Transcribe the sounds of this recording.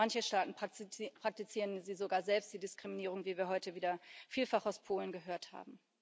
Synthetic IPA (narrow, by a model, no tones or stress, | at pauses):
ançəʃtaːtn̩pʁ̥ak̚tit͡siːʁənziːzoɡaːɐzɛlpst̚d̥iːdɪskʁ̥iminiːʁ̞ʊŋviːviːɐɦɔʏtəviːdɐfiːlfaχaʊspʰoːlənɡəɦøːɐtha̰ːbm̩